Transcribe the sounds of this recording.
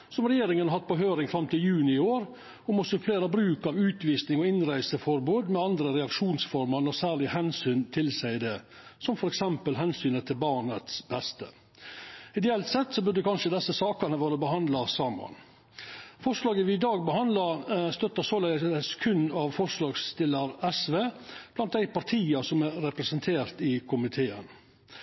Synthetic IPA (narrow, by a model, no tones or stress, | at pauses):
sɔmɾɛjeːɾɪŋənɑɾhɑt̪̚pɔɦøːɾɪŋfɾɑmt̪ʰɪljʉːnɪɪoːɾ | ɔmɔsɔfleːɾɑbɾʉːkɑʋʉːt̪ʋiːsnɪŋɔɪnɾæɪsəfɔɾbuːd̪mɛɑnd̪ɾəɾɛɑkʂuːnsfɔɾmɑnɔsæːɭɪhɛnsyːnt̪ʰɪlsæɪd̪ɛ | sɔmfɔɾɛksɛmpəlɦɛnsyːnət̪ʰɪlbɑːɳət̪sbɛst̪ə̰ | ɪd̪ɛɛlt̪sɛt̪ːsɔbʉɾd̪əkʰɑnʂəd̪ɛsːəsɑːkənəʋøːɾəbəɦɑnd̪lɑsɑːmɑ̰n | fɔʂlɑːɡəʋɪɪd̪ɑːɡ̚bəhɑnd̪lɑɾst̪œt̪ːəsoːlɛəsæskʰʉnːɑʋfɔʂlɑːɡst̪ɪləɾɛsʋeːb̥lɑnt̪̚d̪æɪpɑɾʈ̪ʰiːɑsɔmæɾːɛpɾɛsənt̪ʰeːɾt̪ɪkʰʊmɪt̪ʰeːə̰n